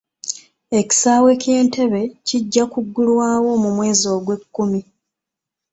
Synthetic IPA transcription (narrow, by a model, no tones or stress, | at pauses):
e̞ci̥sawe̞ːkje̞ːnte̞βe̞ciɟːakuɡːulwaːwo̞mumwe̞ːzo̞ːɡwe̞kːumi